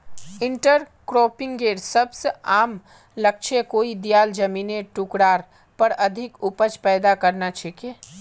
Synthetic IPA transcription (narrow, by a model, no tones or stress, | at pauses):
ɪɳʈəɾ | kɾopɪ̃ŋɡɡeːɾsəbseaːm | lək̚t͡ʃʰekoːid̪ijaːld͡ʒəmineʈukɽaːɾ | pəɾəd̪ʱɪkupət͡ʃpɛːd̪akəɾnat͡ʃʰɛke